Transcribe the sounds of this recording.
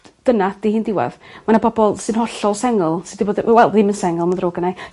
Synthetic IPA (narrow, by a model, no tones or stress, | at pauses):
d̥ənad̥ihiːndɪwɛ̰ðmanabɔbɔlˠsɨnhɔɬɔlˠsɛŋɔlˠsɨdiboːdwɛlˠðimənsɛŋɔlˠmandroːɡənaj